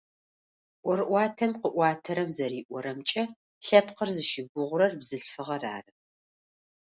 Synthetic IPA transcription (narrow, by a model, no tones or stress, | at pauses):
ʔʷɔɾɨʔʷɑːtʰɐmqəʔʷɑːtʰɐɾɐmzɐɾiːʔʷɔɾɐmt͡ʃʼɐ | ɬɐpqərzɨʃɪɡʷʊʁʷʊɾɐrbzɨɬfɨʁɐra̰ːrɨ